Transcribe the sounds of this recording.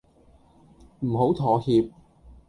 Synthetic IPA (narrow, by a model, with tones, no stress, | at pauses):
m̩˨˩ɦo˨˥wt̪ʰɔː˨˥hiː˧p̚